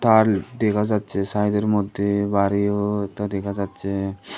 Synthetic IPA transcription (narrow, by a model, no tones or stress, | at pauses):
ʈ̪aɾd̪ekʰad͡ʑat̪ːt͡ʃʰesajd̪eɾmɔd̪ʱːjebaɾijot̪ad̪ɛkʰad͡ʑatːt͡ʃʰe